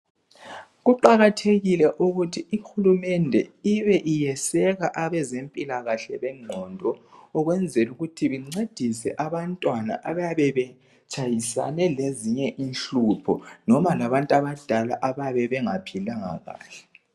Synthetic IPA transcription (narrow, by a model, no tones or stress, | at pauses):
ɣuǃaɣatʰeɣilɛʔuɣutʰiixulumɛndʱɛiβɛʔijɛsɛɣaʔaβɛzempʼilaɣaɬɛβɛŋ͡ǀʱɔndʱɔːɣwɛnd͡zʱɛluɣutʰiβiŋ͡ǀed̥ʱisɛ̰ʔaβantʼwana̰ʔaβajaβɛβɛ | t͡ʃʼʰajisanɛleziɲɛʔinɬupʰɔ̰nɔmalaβantʼaβad̥ʱalaʔaβajaβɛβɛŋapʰilaŋa̰ɣa̰ːɬɛ̥